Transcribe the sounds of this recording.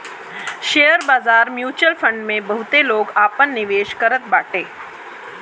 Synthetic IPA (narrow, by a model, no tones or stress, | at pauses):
ʃejəɾbaːzaːɾmjuːt͡ʃəlfʰə̃ɳɖmẽbɐɦʊt̪eloːɡaːpənːɪʋeːʃkəɾət̪̚baːʈeː